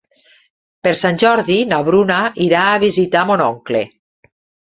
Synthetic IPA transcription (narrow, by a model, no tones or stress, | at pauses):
peɾsanʲʒɔɾðinaβɾunaʔiɾaːβizit̪amonɔŋklḛ